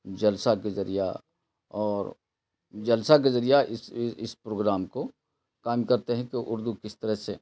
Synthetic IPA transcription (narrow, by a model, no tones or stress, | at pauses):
d͡ʒɐlsakezɐɾija̰ | ɔːɾ | d͡ʒɐlsak̬ezɐɾijaʔɪsɪspɾoːɡɾaːmko | kaːmkɐɾt̪eɦɛ̃keʔʊɾd̪ukɪst̪ɐɾəɦse